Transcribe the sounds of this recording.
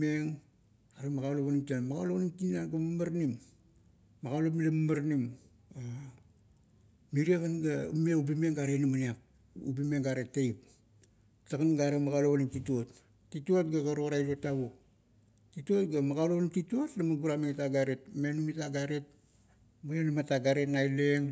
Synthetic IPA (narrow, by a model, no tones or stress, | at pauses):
eŋ | aɾemaɡaloβanimtianmaɡaloβaniŋtinaɡammaɾnimː | aɡalopmilamamaɾnim | a | miɾiakanɡaumeubimeŋɡaɾenamaniap̚ | ṵbime̞ŋɡaɾetːejp | taɡanɡaɾemaɡaloβaniŋtituotː | ituotɡaɡaɾoɾajɾotaβo | titot̚ɡamaɡaloβnimtituotlamaɡuɾamiŋetaɡaɾe̞tme̞numitaɡaɾe̞t̚ | moanamataɡaɾe̞tnajleŋ